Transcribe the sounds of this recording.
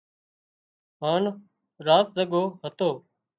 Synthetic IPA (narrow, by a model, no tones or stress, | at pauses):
ɦaːn | ɾaːszəɠoːɦət̪oː